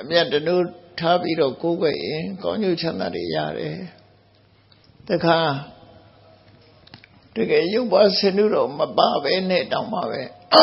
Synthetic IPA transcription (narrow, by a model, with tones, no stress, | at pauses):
ʔəmja˦˨tːəno˦˨tʰa˦pi˦ɾɔ˦˨ko˦ɡwɛ̰˨jɪ̃˨kã̰˦ʊ̃ɲd͡ʑo˦˨t͡ɕʰã˦nd̪a̰˦˨dḛ˨ja̰˦˨ɾɛ̰˨ | təkʰa˨ | d̥əɡɛ˦˨jõ˦˨pːa˦sɪ̃˦˨nṵ˦˨ɾɔ˨mə˨pa˨bɛ˦nɛ̰˦˨tã˨ma̰˦˨bɛ˦